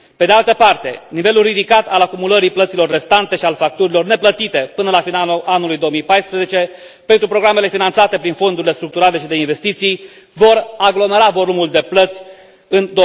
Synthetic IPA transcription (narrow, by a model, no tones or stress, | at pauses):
pe̞d̪ealt̪əpart̪e̞̰nive̞lulrid̪ikat̪alakumuləɾiplət̪silo̞rːe̞st̪ant̪e̞ʃialfak̚t̪uɾilo̞rne̞plət̪it̪e̞pɨnəlafinalaʔanulujd̪o̞omijpajspɾeze̞t͡ʃe̞ | pe̞nt̪ɾupɾo̞ɡɾame̞le̞finant̪sat̪e̞pɾinfo̞nd̪uɾile̞st̪ɾuk̚t̪uɾale̞ʃid̪e̞inve̞st̪it̪sij | vo̞ɾaɡlo̞me̞ɾavo̞lumuld̪e̞plət̪sʲ | ɨnd̪o